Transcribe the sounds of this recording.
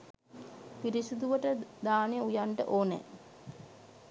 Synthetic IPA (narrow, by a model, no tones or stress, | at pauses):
piɾisud̪uʋəʈəd̪aːneəujaɳʈə̰ʔoːnɛ̰